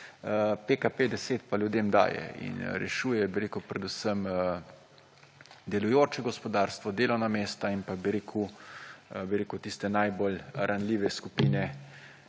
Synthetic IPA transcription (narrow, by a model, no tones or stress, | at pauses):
pekapeːd̪ɛseːt̪paljud̪eːmd̪a̰ːjɛ̰ḭnɾɛ̰ʃuːjɛbiɾeːkupɾɛd̪usəm | d̪ɛlujoːt͡ʃɛɡɔspɔd̪aːɾst̪ʋɔd̪eːlɔwnameːst̪ainpabiɾeːkʰu | biɾeːkut̪ist̪ɛnajbolɾʔanliːʋɛskupiːnɛ